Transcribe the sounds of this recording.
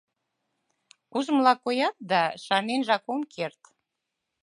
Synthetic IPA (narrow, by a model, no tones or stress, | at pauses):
kuzəmlɑkojɑt̪̚d̪ɑʃɑnenʒɑkomkʰert̪